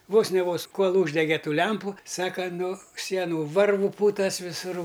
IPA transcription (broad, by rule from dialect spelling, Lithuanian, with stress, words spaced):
ˈʋoːs nʲɛ ˈʋoːs ˈkoːlˠ ˈuːʒʲdʲɛɡʲeː ˈtuː ˈlʲɛmpʊ ˈsɑːkɐ nʊ ˈsʲiɛnʊ ˈʋɐrʋʊ ˈpuːtɐs ʋʲɪˈsuːr